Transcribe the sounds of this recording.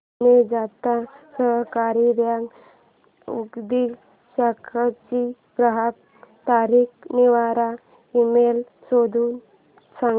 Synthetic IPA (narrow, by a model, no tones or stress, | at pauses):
ned͡zat̪asəɦkaɾiɾjaŋ | ṵkd̪i | ɕakʰat͡ɕi | pɾəɦak | t̪aɾikniʋaɾa | imel | sod̪ʱuːn | sã